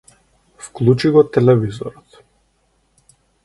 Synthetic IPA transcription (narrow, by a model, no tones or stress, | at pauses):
fklˠut͡ʃiɡɔt̪ɛlɛvizɔ̰ɾɔt̪